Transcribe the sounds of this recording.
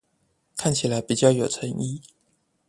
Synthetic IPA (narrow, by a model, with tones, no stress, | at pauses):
kʰa˥˩nt͡ɕʰi˨˩la˧˦˥ɪpi˨˩t͡ɕjɑ˥˩ʊjo˨˩ʊt͡sʰə˧˥ŋi˥˩